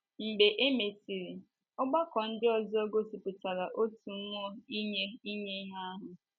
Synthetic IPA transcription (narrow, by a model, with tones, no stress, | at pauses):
ŋ͡m̩˨ɡ͡be˨ʔe˦me˨ti˨ɾi˨ | ɔ˦ɡ͡ba˦kɔ˨n̩˦dɪ˦ɔ˦zɔ˦ɡo˦si˨pʊ˨ta˨ɾa˨ʔo˦tu˨m̩˦mʊ˦ɔ˦i˦ɲe˦i˦ɲe˦i˦ɦa˦a˦ɦʊ˨